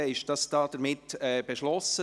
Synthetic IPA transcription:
əɪʃ̚d̥ɑsd̥ɑːd̥əɾmɪtɛb̥eʃlɔsə

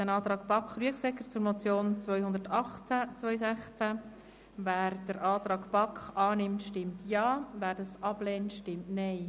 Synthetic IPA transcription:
ænɑːt̪ɾɑːɡpɑkχɾyəksɛkːət͡sʊɾmɔt͡sjoːnt͡svœʏhʊnd̪əɾtɑχt͡sæt͡svœʏsæχt͡sæ | væːɾd̥əɾʔɑːtɾɑːɡpɑkχɑːnɪmtʃtɪmtjɑːvæːɾd̥ɑsɑb̥lɛːntʃtɪmtnɛɪ

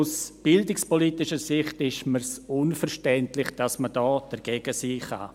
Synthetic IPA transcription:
usb̥ɪldɪkspolitɪʃəsɪχtɪʃməsʊnfəɾʃtɛntlɪχd̥asmədɔːd̥əɾɡ̥eːɡ̥əsiːχa̰

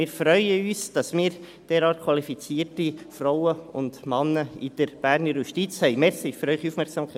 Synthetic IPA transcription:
ɪːɾfɾœʏəyːsd̥ɑsmɪːɾ | d̥ɛːɾɑːt̚kʰwɑlifit͡siːrtifrɔwəʊndmɑnːəid̥əɾb̥æːɾnəɾjuʃtit͡shɛɪmɛsɪføɾœʏχiuːfmɛɾksɑmʰ

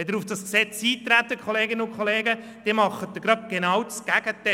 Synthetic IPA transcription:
ɛd̪əɾufd̥ɑsksɛt͡siːt̪ɾæt̪ːəkʰχoleːɡɪnəʊnkχoleːɡə | d̥imɑχːət̚d̪əɡɾɑp̚ɡ̥enɑwdsɡ̥æɡ̥ətɛ

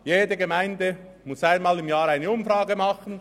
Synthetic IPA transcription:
jeːdəɡemaɪndə | mʊsaɪnmaːlɪmjaːɾaɪnəʊmfraːɡəmɑχən̩

